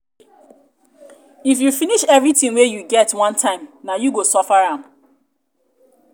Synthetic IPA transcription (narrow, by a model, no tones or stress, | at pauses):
ifjufiniʃɛvɹitĩŋwejuɡɛtwãntʰãɪ̃mnajuɡosɔfaɹãm̩